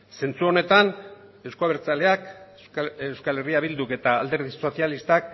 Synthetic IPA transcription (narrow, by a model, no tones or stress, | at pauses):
se̞nt͡suo̞ne̞t̪ane̞wskoaβeɾt͡sale̞ak | ewskale̞riaβild̪uke̞t̪aːld̪e̞ɾðiso̞sialist̪ak